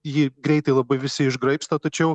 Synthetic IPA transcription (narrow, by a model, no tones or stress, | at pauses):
jiːɡɾʲɛɪt̪ɐɪlˠɐbɐɪʋʲɪsʲɪɪʒɡɾɐɪpst̪oːt̪ɐt͡ʃʲɛʊ